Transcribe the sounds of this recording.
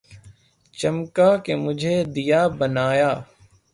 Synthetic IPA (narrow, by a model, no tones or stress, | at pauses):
t͡ʃəmkaːkemʊd͡ʒʱeːd̪ijaːbənaːjaː